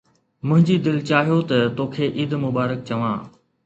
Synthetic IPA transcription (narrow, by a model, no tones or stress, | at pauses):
mʊ̃ɦɪ̃ɲd͡ʑiːd̪ɪlt͡ɕaːɦijoːt̪ɐt̪oːkʰeːʔiːd̪mʊbaːɾək̚t͡ɕɐʋã̰ː